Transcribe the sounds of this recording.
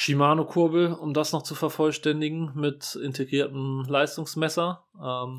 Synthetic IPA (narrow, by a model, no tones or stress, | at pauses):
ʃimaːnokʰʊɐbl̩ʊmdasnɔχt͡sufɛɐfɔlʃtɛndɪɡŋ̩mɪtʔɪntʰeɡʁiːɐtn̩laɪstʊŋsmɛsɐ | ʔɛm